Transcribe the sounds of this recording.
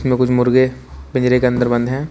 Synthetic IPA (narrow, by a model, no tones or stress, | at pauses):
smẽkʊt͡ʃʰmʊɾɡepɪ̃ɲd͡ʒɾekeɐ̃nd̪əɾbɐ̃nd̪ɦɛ̃ː